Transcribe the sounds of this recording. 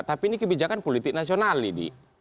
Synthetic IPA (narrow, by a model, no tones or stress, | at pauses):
t̪apiinikəbid͡ʒakanpolit̪ɪk̚nasionalidḭ